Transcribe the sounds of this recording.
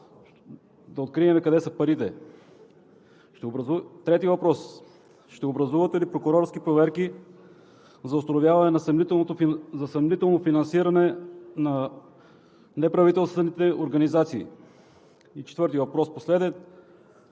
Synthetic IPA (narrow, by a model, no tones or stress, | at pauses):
d̪ɐot̪̚kɾiɛmɛkɐd̪ɛsəpɐɾit̪ɛ | ʃt̪ɛobɾzut̪ɾɛt̪ivɐpɾɔs | ʃt̪ɛobɾɐzuvət̪ɛlipɾokʊɾɔɾskipɾovɛɾki | zɐost̪ɐnovʲjavɐnɛnɐsɐnit̪ɛlˠnot̪ozɐsɐmnit̪ɛlˠnofinɐnsiɾɐnɛnɐ | nɛpɾɐvit̪ɛlˠst̪vɛnit̪ɛoɾɡɐnizat̪siː | it͡ʃɛt̪vɤɾt̪ivɐpɾɔsposlɛd̪ɛt̪